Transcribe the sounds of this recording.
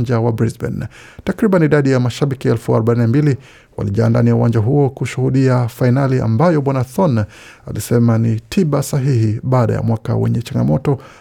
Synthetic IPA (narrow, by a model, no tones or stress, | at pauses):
d͡ʒawabɾizbɛ̰ntakɾiɓaniiɗaɗijamaʃaɓikiɛlfuaɾɔɓanambili | wa̰liʄaːnda̰niauwaɲd͡ʒaɦuɔkuʃuhuɗiafainalia̰mbajɔɓwanaθɔn | alisɛmanitʰiɓasaɦihiɓaːɗa̰ja̰mwaka̰wɛ̰ɲɛt͡ʃaŋɡamɔtɔ